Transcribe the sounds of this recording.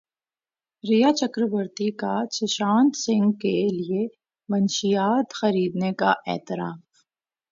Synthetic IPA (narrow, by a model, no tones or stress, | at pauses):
ɾijat͡ʃɐkɾəʋəɾt̪ikat͡ʃʰɪʃaːnt̪sɪ̃ŋɡkelie | mɐnʃijaːt̪xɐɾiːd̪neka̰ʔɛ̰ːt̪ɪɾaːf